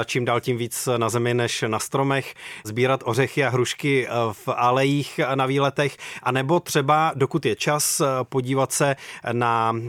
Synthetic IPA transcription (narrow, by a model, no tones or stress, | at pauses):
at͡ʃiːmdaːlcimviːt͡snazɛmɪnɛʃnast̪ɾo̞mɛxzbiːɾat̪ʔo̞rɛxɪaɦɾuʃkɪfalɛjiːxnaviːlɛt̪ɛxʔanɛbo̞t̪r̝̥ɛbado̞kut̪jɛt͡ʃaspo̞ɟiːvat̪sɛna